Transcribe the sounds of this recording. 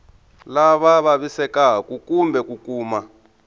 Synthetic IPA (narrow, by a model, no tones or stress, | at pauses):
laβaβaβisɛkaɦakukumbʱɛkukuːma